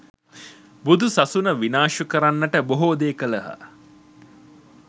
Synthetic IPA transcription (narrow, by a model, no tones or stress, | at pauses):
bud̪usasunəʋinaːʃukəɾanːəʈəboɦod̪eːkələɦa̰